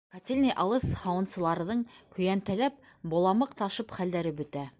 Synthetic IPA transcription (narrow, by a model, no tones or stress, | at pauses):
kɑt̪ʲelʲnʲejʔɑlˠɤθhɑwɤ̆nsɤ̆lˠɑɾɤ̆ðɤɴkɵ̆jænt̪ælæp̚ | bolˠɑmɤqt̪ɑʃɤpχæld̪æɾɘbɵ̆t̪æ